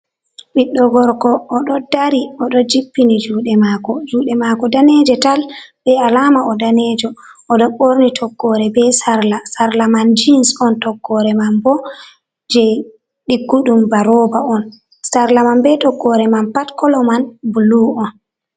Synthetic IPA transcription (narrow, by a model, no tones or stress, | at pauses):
ɓiɗːɔɡɔɾkɔːɗɔdaɾiɔɗɔd͡ʒipːinid͡ʒuːɗɛmaːkɔd͡ʒuːɗɛmakɔdanɛd͡ʒɛtalbɛalaːmaɔdanɛd͡ʒɔɔɗɔɓoɾnitʰɔɡːɔɾɛbɛsaɾlasaɾlamand͡ʒinsɔntɔɡːɔɾɛmanbɔ | d͡ʒɛj | ɗiɡːuɗumbaɾɔbaɔn | saɾlamanbɛtɔɡːɔɾɛmanpatkɔlɔmanbuluɔn